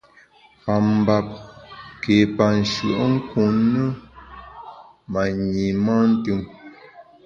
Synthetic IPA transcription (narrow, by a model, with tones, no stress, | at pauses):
pa˨m˨ba˨p̚ke˨pa˨n̩˨ʃə̰˨ʔŋ̩˦ku˨nːə˦ | ma˨ɲi˨ma˦n̩˦tɨ˦m